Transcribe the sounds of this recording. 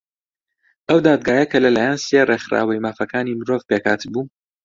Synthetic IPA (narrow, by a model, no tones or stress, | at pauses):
ʔɐwd̪aːd̪̚ɡaːjɐkʰɐlɐlaːjansereχɾa̰ːwɐjmaːfɐkʰaːnimɨɾovpeːkʰaːt̪ʰɨbuː